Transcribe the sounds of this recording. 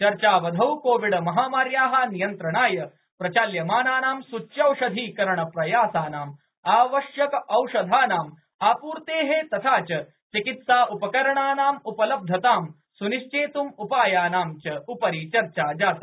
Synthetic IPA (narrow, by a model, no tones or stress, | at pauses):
t͡ʃɐɾt͡ʃaːʋɐd̪ʱɐwkoːʋiɽɐmɐɦaːmaːɾjaːɦaːnijɐnt̪ɾɐɳaːjɐ | pɾɐt͡ʃaːljɐmaːnaːnaːmsut͡ʃjɐwʂɐd̪ʱiːkɐɾɐɳɐpɾɐjaːsaːnaːm | aːʋɐʃjɐkɐʔɐwʂɐd̪ʱaːnaːm | aːpuːɾt̪eːɦet̪ɐt̪ʰaːt͡ʃɐ | t͡ʃikit̪saːʔupɐkɐɾɐɳaːnaːmupɐlɐb̚d̪ʱɐt̪aːm | suniʃt͡ʃeːt̪umupaːjaːnaːmt͡ʃɐupɐɾiːt͡ʃɐɾt͡ʃaːd͡ʒaːt̪ɐ